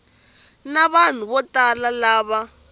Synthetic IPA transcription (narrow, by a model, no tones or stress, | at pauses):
naβan̤uβɔtalalaːβa